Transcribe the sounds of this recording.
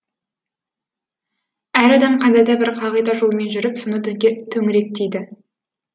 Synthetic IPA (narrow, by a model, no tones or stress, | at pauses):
æɾɑd̪ɑmqʰɑnd̪ɑd̪ɑbɪɾqʰɑʁəjd̪ɑʒo̞lˠme̞nʒʏɾɪpsonət̪ʰɵŋɪɾe̞k̚t̪ejd̪ɪ